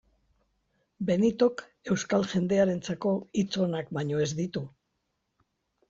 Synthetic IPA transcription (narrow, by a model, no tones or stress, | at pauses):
be̞nit̪o̞k | e̞wskalʝe̞nd̪e̞aɾe̞nt͡sako̞it͡so̞nakbaɲo̞e̞zd̪it̪u